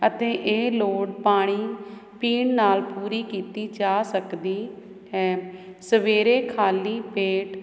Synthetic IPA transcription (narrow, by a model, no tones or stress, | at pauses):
ət̪ẽːʔeːloːɽpaːɽ̃iːpiːɳnaːlpuːɾiːkiːt̪iːt͡ʃaːsəkd̪iː | ɛ̃ː | səʋeːɾeːkʰaːliːpeːʈ